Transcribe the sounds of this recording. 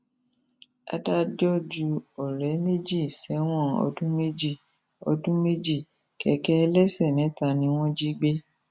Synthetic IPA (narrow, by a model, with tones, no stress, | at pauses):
a̰˧da˦d͡ʒɔ˦d͡ʒu˧ɔ˨ɾɛ˨˦me˦d͡ʒi˦˨sɛ˨˦w̃ɔ̃˦˨ɔ̰˧dũ˦me˦d͡ʒi˦˨ | ɔ̰˧dũ˦me˦d͡ʒi˦˨ | kɛ˧˦kɛ˦˧lɛ˦sɛ˦˨nɛ̃˨˦tã˧nĩ˧˦w̃ɔ̃˦d͡ʒi˦ɡ͡be˦